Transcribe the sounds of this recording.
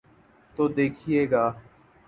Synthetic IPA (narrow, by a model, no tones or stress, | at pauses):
t̪oːd̪eːkʰiːeːɡaː